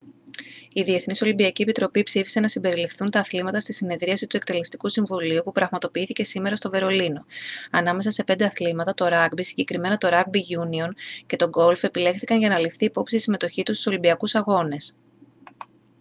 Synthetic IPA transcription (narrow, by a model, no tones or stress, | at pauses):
iðie̞θniso̞limbiɐcie̞pit̪ɾo̞pipsifi̥se̞nɐsimbe̞ɾilifθunt̪ɐːθlimɐt̪ɐst̪isine̞ðɾiɐsit̪ue̞kt̪e̞le̞st̪ikusiɱvuliupupɾɐɣmɐt̪o̞piiθice̞sime̞ɾɐst̪o̞ve̞ɾo̞lino̞ɐnɐme̞sɐse̞pe̞nd̪e̞ɐθlimɐt̪ɐt̪o̞ɾɐɡbisiɲɟe̞kɾime̞nɐt̪o̞ɾɐɡ̚biʝunio̞nce̞t̪o̞ɡo̞lfe̞pile̞xθikɐnʝɐnɐlifθiːpo̞psit̪isime̞t̪o̞çit̪ust̪u̥so̞limbiɐkusɐɣo̞ne̞s